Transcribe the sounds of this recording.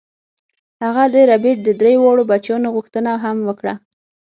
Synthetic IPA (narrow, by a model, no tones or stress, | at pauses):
haɣad̪əɾabeʈ̚d̪əd̪ɾejowɑɽobat͡ʃjɑnoɣuxt̪ənaɦamwəkɽa